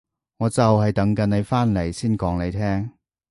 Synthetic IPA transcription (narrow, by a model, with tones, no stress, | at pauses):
ŋɔː˨˧t͡sɐ˨whɐ˨jt̪ɐ˨˥ŋkɐ˨˧˥ne˨˧jfaː˥nle˨˩jsiː˥nkɔː˨˥ŋne˨˧jt̪ʰɛː˥ŋ